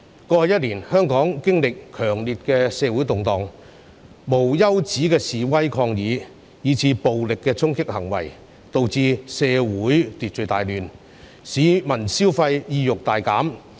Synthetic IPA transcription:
kɔː˧ɐ˨˧jt̚liː˨˩nhœː˥ŋkɔː˨˥ŋkɪ˥ŋlɪ˨kʰœː˨˩ŋliː˨t̚kɛː˧sɛː˨˧wuː˨˥jt̪ʊ˨ŋt̪ɔː˨ŋ | mo˨˩wjɐ˥wt͡siː˨˥kɛː˧siː˨wɐ˥jkʰɔː˧ŋjiː˨˧ | jiː˨˧t͡sʰiː˧po˨wlɪ˨kːɛː˧t͡sʰʊ˥ŋkɪ˥k̚hɐ˨˩ŋwɐ̰˨˩j | t̪o˨˧wt͡siː˧sɛː˧wuː˨˥jt̪iː˨t̚t͡ʃɵ˨˧t̪aː˨jlyː˨n | siː˨˥mɐ˨˩nsiː˥wfɐ˧jjiː˧jʊ˨k̚t̪aː˨jkaː˨˥m

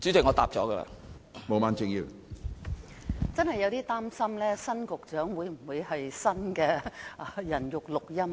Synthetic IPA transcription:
t͡ʃyː˨˥t͡sɪ˨ŋɔ˨˧t̪aː˨p̚t͡ʃɔː˨˥ɡə˧la̰˧ | mo˨˧wmaː˨˧nt͡sɪ˨˧ŋjiː˧w | t͡sɐ˥nhɐ˨jɐ˨˧wt̪iː˥t̪aː˥msɐ˥mlɛː˥sɐ˥nkʊ˨k̚t͡ʃœː˨˥ŋwuː˨˧jm̩˨˩wuː˨˧jhɐ˨jsɐ˥nkɛː˧˨ | jɐ˨˩njʊ˨k̚lʊ˨k̚jɐ˥m

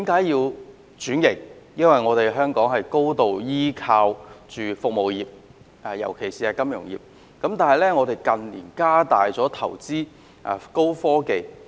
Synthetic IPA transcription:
t̪iː˨˥mkaː˨˥jjiː˧w | t͡ʃyː˨˥njɪ˨˩ŋ̚jɐ˥nwɐ˨jŋɔː˨˧t̪e˨jɦœː˥ŋkɔː˨˥ŋɦɐ˨jko˥wt̪o˨wjiː˥kʰaː˧wt͡ʃyː˨fʊ˨k̚mo˨wjiː˨p̚ː | jɐ̰˨˩wkʰe˨˩jsiː˨ɛː˧kɐ˥mjʊ˨˩ŋjḭː˨p̚ | kɐ˨˥mt̪aː˨˩nɦɐ˨jlɛː˥ŋɔː˨˧t̪e˨jkɐ˨nlḭː˨˩nkaː˥t̪aː˨jt͡sɔː˨˥t̪ʰɐ̰˨˩wt͡siː˥ | ʔa̰ː˨ko˥wfɔː˥ke˨˧j

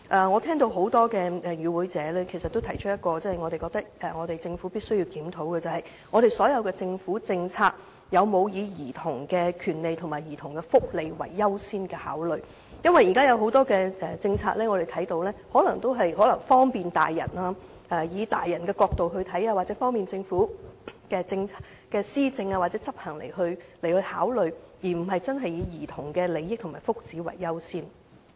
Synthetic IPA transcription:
ʔɐː˨˧ŋɔː˨˧t̪ʰɛː˥ŋt̪o˧wɦo˨˥wt̪ɔː˥kɛː˧ʔɛ˨jyː˨˧wuː˨˥jt͡sɛː˨˥lɛː˥kʰe˨˩jsɐ˨t̪ːo˥wt̪ʰɐ˨˩jt͡ʃʰɵ˥t̚jɐ˥t̚kɔː˧t͡sɐː˥hɐ˨˩ŋɔː˨˧ɾe˨jkɔː˧k̚t̪ɐ˥k̚ɛ˨ŋɔː˨˧ɾe˨jt͡sɪ˧ŋfuː˨˥piː˥t̚sɵ˥ɥjiː˧wkiː˨˥mt̪ʰo˨˥wkɛː˧t͡sɐ˨whɐ˨˩j | ŋɔː˨˧ɾe˨jsɔː˨˥jɐ˨˧wkɛː˧t͡sɪ˧ŋfuː˨˥t͡sɪ˧ŋt͡sʰaː˧k̚ | jɐ˨˧wmo˨˧wjiː˨˧jiː˨˩t̪ʰʊ˨˩ŋkɛː˧kʰyː˨˩nle˨jt̪ʰʊ˨˩ŋmaː˨˩jiː˨˩t̪ʰʊ˨˩ŋkɛ˧fʊ˥k̚le˨jwɐ̰˨˩jːɐ˥wsiː˥nkɛː˧ha̰ː˨˥wlɵ˨ɥ | jɐ˥nwɐ˨ji˨kaː˥jɐ˨˧wɦo˨˥wt̪ɔː˥kɛː˧ʔɛ˨˩t͡sɪ˧ŋt͡sʰa̰ː˧˥lɛː˥ŋɔ˨˧d̪e˨jt̪ʰɐ˨˥jt̪o˧wlɛː˥hɔ˨˥lɐ˨˩ŋt̪o˥wɦɐ˨jɦɔː˨˥lɐ˨˩ŋfɔː˥ŋpiː˨nt̪a̰ː˨jːɐ̰˨˩naː˧ | ɐː˧jiː˨˧t̪aː˨jːɐ˨˩nkɛː˧kɔː˧k̚t̪o˨whɵ˧ɥt̪ʰɐ˨˥jaː˧waː˨t̚t͡sɛ˨˥fɔː˥ŋpiː˨nt͡sɪ˧ŋfuː˨˥kɛː˧t͡sɪ˧ŋt͡sʰaː˧ | kɛː˧siː˥t͡sɪ˧ŋaː˧wa˨t̚t͡sɛː˨˥t͡sɐ˥p̚hɐ˨˩ŋle˨˩jhɵ˧ɥle˨˩hɵ˧haː˨˥wlɵ˨˧ɥjiː˨˩m̩˨˩ɦɐ˨jt͡sɐ˥nɦɐ˨jːiː˨˧jiː˨˩t̪ʰʊ˨˩ŋkɛː˧le˨˧jɪ˥k̚t̪ʰʊ˨˩ŋmaː˨˩fʊ˥k̚t͡siː˨˥wɐ̰˨˩jːɐ˥wsiː˥n

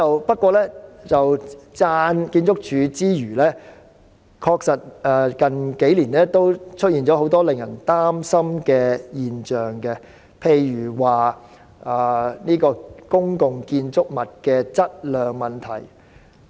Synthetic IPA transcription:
ɐ˨wpɐ˥t̚kʷɔː˧lɛː˥t͡sɐ˨wt͡saː˧nkiː˧nt͡sʊ˥k̚t͡ʃʰyː˨˧t͡siː˥jyː˨˩lɛː˥ | kʰɔː˧k̚sɐ˨t̚ɛ˨˧kɐ˨nke˨˥jliː˨˩nɛː˥t̪o˥wt͡ʃʰt̚jiː˨nt͡ʃɔ˨˥ɦo˨˥wt̪ɔː˥lɪ˨ŋjɐ˨˩nt̪aː˥msɐ˥mkɛː˧jiː˨nt͡ʃœː˨ŋkɛ˧ | pʰe˨˧jɥyː˨˩waː˨˩ | aː˨niː˥kɔː˧kʊ˥ŋkʊ˨ŋkiː˧nt͡sʊ˥k̚mɐ˨t̚kɛː˧t͡sɐ˥t̚lœː˨ŋmɐ˨˩nt̪ʰɐ̰˨˩j

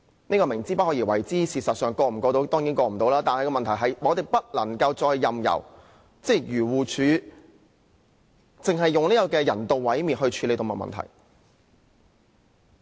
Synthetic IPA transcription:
ne˥kɔː˧mɪ˨˩ŋt͡siː˥pɐ˥t̚hɔ˨˥jiː˨˩wɐ̰˨˩jt͡siː˥siː˨t̚sɐ˨t̚sœː˨ŋkɔː˧m̩˨˩kɔː˧t̪o˧˥wt̪ɔː˥ŋjiː˨˥nkɔː˧m̩˨˩t̪o˨˥wlaː˥t̪aː˨nhɐ˨jkɔː˧mɐ˨nt̪ʰɐ˨˩jɦɐ˨jmɔː˨˧t̪e˨jpɐ˥t̚lɐ˨˩ŋkɐ˧wt͡sɔː˧jːɐ˨mjɐ̰˨˩w | t͡sɛ˥˩jyː˨˩wuː˨t͡ʃʰyː˨˧˥ | t͡sɪ˨ŋɦɐ˨jːʊ˨ŋni˥kɔ˧kɛː˧jɐ˨˩nt̪o˨wwɐ˨˥jmiː˨˩nhɦɵ˧ɥt͡ʃʰy˨˧le˨˧jt̪o˨˧wmɐ̰˨˩mɐ̰˨nt̪ʰɐ̰˨˩j

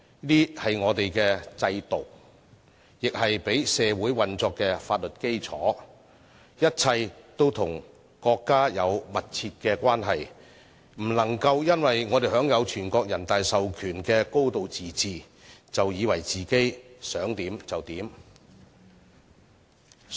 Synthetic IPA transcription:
liː˥hɐ˨jŋɔː˨˧t̪e˨jkɛː˧t͡sɐ˧jt̪o˨w | jɪ˨k̚hɐ˨jpe˨˥jsɛː˧wuː˨˥jwɐ˨nt͡sɔː˧kːɛː˧faː˧t̚lɵ˨t̚ke˥jt͡sʰɔː˨˥ | jɐ˥t̚t͡sʰɐ˧jt̪o˥wt̪ʰʊ˨˩ŋ | kɔː˧kːaː˥jɐ˨˧wmɐ˨t̚t͡sʰiː˧t̚kɛː˧kʷaː˥nɦɐ˨j | m̩˨˩lɐ˨˩ŋkɐ˧wjɐ˥nwɐ˨jŋɔː˨˧ɾe˨jɦœː˨˥ŋjɐ˨˧wt͡ʃʰyː˨˩nkɔː˧k̚jɐ˨˩nt̪aː˨jsɐ˨wkʰyː˨˩nkɛː˧ko˥wt̪o˨wt͡siː˨t͡siː˨ | t͡sɐ˨wjiː˨˧wɐ˨˩jt͡siː˨ke˥jsœː˨˥ŋt̪iː˨˥mt͡sɐ˨wt̪iː˨˥m

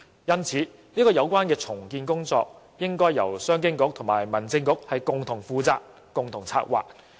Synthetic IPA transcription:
jɐ˥nt͡sʰiː˨˥ | niː˥kɔː˧jɐ˨˧wkʷaː˥nkɛː˧t͡sʰʊ˨˩ŋkiː˧nkʊ˥ŋt͡sɔ̰ː˧k̚ | jɪ˥ŋkɔː˥jːɐ˨˩wsœː˥ŋkɪ˥ŋkʊ˨˥k̚t̪ʰʊ˨˩ŋmaː˨˩jmɐ˨˩nt͡sɪ˧ŋkʊ˨˥k̚hɐ˨jkʊ˨ŋt̪ʰʊ˨˩ŋfuː˨˧t͡sa̰ː˧k̚ːʊ˨ŋt̪ʰʊ˨˩ŋt͡sʰa̰ː˧k̚wa̰ː˨k̚

